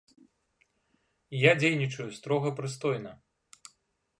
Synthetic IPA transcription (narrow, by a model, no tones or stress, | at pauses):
jad͡zʲejnʲit͡ʂɐjust̪ɾɔɣɐpɾɨst̪ɔjnɐ